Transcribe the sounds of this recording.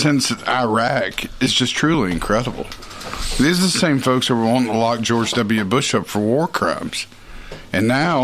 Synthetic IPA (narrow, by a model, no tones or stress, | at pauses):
sɪ̃nsɨaɪɹækɨzd͡ʒʌstʰɹ̥ʉlˠiɨ̃nkʰɹ̥ɛɾəbl̩ˠ | ðizðɨsẽɪ̃ɱfoʊkshəwəwɑ̃nəlɑk̚d̥ʒ̥ɔɹd͡ʒdʌbl̩ˠjʉbʊʃʌpfə˞wɔɹkʰɹ̥ã̰ɪ̃mz̥ | ʔɨ̃nːaʊ